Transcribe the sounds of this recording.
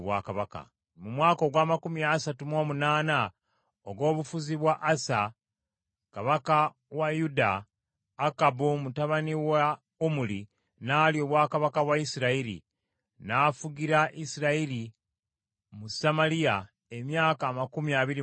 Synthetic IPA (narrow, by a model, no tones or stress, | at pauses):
βwa̰kaβaka̰ | mumwaːko̞ɡwaːmakumiasatumo̞ːmunaːna | oɡo̞ːβufuziβwaʔːsa | kaβaka | wajudaː | kabumutaβaniwa | omuli | naːlio̞ːβwaːkaβakaβwaisiɾaiɾḭ | nafuɡiɾaʔisiɾaili | musamalija | emjaːkaːmakumiaβiɾi